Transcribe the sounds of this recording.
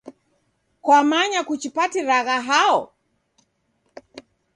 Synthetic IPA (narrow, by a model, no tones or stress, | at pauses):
kwamaɲakut͡ʃipatiɾaɣaɦaɔ